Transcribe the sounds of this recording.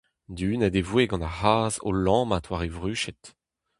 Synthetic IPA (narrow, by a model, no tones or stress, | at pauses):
d̪yːnad̪evweɡɑ̃nahaːzo̰lɑ̃ːmatʰwaʁevʁyːʃɛt̪